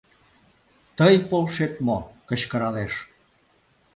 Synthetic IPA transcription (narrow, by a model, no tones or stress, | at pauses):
t̪əjpolʃet̪mokə̆t͡ɕkə̆ɾɑleʃ